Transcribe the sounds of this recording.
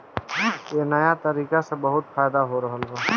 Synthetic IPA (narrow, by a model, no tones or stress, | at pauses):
jeːnɐjat̪ɐɾiːkasebəɦʊt̪fʰaːjd̪aɦoɾɐɦəlɦo